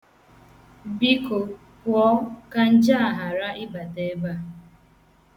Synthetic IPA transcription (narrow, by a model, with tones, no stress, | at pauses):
bi˦ko˨ | pwɔ˦ka˦n̩˦d͡ʒa˦a˨ɦa˨ɾa˦ʔɪ˦ba˨te˨˦ba˦